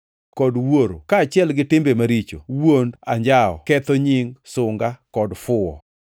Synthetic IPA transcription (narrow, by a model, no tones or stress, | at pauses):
kɔdwoɾo̰kaːt͡ʃɪɛlɡɪtɪmbemaɾit͡ʃo̰wonda̰ɲd͡ʒaɔ̰kɛt̪ɔɲɪŋsʊŋɡakɔdfʊɔ̰